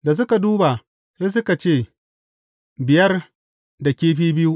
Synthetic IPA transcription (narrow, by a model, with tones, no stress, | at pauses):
da˨s̬ʊ˦ka˨duː˦ba˨ | seː˦s̬ʊ˦ka˨t͡ʃeː˦˨ | bɪ˨jɐ˦r | da˨kʲeː˦ɸiː˦bɪ˦ju˦ʔ